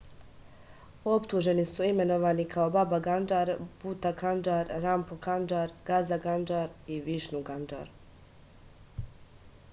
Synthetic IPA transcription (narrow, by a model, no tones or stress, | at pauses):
o̞pt̪uʒe̞nisuime̞noʋaːnikʰao̞babaɡand͡ʒaːɾb̥ut̪akand͡ʒaːɾɾampokand͡ʒaːɾɡazaɡand͡ʒaːɾiʋiːʃnuɡand͡ʒa̰ːɾ